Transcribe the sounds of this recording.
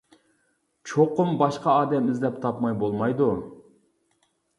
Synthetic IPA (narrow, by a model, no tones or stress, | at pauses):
t͡ʃʰoqʊmbɑʃqɑɑːd̪ɛmɪzd̪ɛp̚t̪ʰɑpmɑjbolˠmɑjd̪u